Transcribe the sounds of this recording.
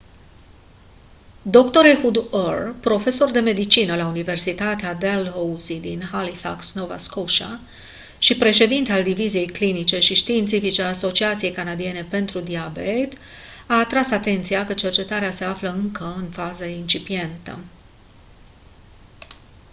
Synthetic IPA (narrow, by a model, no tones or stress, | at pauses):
d̪o̞kt̪o̞ɾehud̪orpɾo̞fe̞so̞rd̪e̞me̞d̪it͡ʃinəlaunive̞rsit̪at̪ead̪elɦouzid̪inhalifa̰ksnova̰skoʃa̰ | ʃipɾe̞ʃe̞d̪int̪eald̪ivizije̞jklinit͡ʃe̞ʃiʃt̪iːnt̪sifit͡ʃeaːso̞t͡ʃiat̪sije̞jkanad̪ie̞ne̞pe̞nt̪ɾud̪iabet̪aːt̪ɾasat̪e̞nt̪sijakət͡ʃe̞rt͡ʃe̞t̪aɾease̞afləɨŋkəɨnfazəint͡ʃipie̞nt̪ə̰